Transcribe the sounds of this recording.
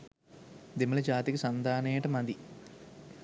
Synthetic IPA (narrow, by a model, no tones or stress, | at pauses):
d̪imːɐɭed͡ʑaːt̪ikisɐnd̪aːneːʈɐmɐd̪i